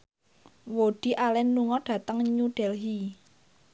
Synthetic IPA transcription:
woɖ̥i̤ʔalɛnːuŋɔɖ̥ä̤t̪əŋɲuɖ̥ɛlɦi

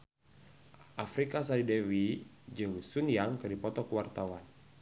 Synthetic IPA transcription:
ʔafɾikas̬alidɛwi | d͡ʒɨŋsunjaŋkɨdipɔt̪ɔkəwart̪awan

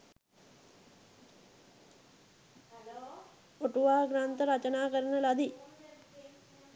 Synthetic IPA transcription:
oʈuʋaːɡɾaːnt̪əɾat͡ʃənaːkəɾənəlad̪i

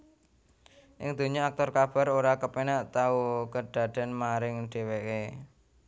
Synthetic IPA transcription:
ʔɪ̰ŋd̪̥o̤ɲɔak̚t̪ɔrkab̥a̤ɾoɾakəpenaʔt̪aukəɖ̪̥a̤d̪̥a̤nmaɾɪŋɖ̪̥e̤weke

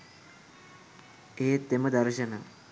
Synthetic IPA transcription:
eːt̪ːeməd̪ɐɾʃəna

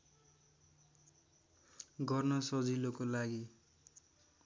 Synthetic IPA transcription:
ɡʌrnʌsʌd͡zilokolaɡi

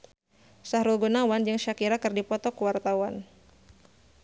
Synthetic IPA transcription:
sahɾulɡunawand͡ʒɨŋʃakiɾakɨrdipɔt̪ɔkuwart̪awan

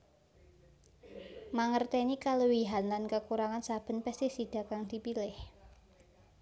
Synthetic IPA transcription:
maŋərt̪ɛnikaləwiɦanlankəkuɾaŋansab̥ə̤npɛst̪isid̪̥a̤kaŋd̪̥ipilɪh

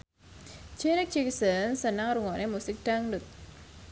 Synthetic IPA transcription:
d͡ʒɛɾɛk̚d͡ʒiksənsənaŋɾuŋɔnemusɪk̚ɖ̥aŋɖut̪̚

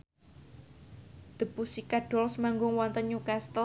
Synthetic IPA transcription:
d̪̥ə̤busikaɖ̥ɔ̤lsəmaŋɡʊŋwɔnt̪əɲukast̪ə

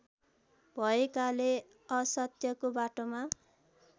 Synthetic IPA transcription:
bʱʌekale | ʌsʌt̪jʌkobaʈoma

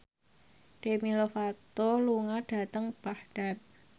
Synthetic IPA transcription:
ɖ̥emilofat̪oluŋaɖ̥a̤t̪əŋb̥ahɖ̥at̪̚

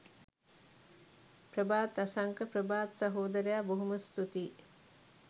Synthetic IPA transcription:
prəbaːt̪asaŋkəpɾəbaːt̪saɦoːd̪əɾejaboɦuməst̪ut̪iː

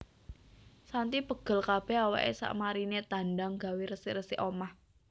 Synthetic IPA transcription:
sant̪ipəɡ̥ə̤lkab̥ɛ̤hɦawa̰ʔḛsa̰ʔmaɾinet̪a̤nɖaŋɡa̤wiɾəsɪʔrəsɪʔomah

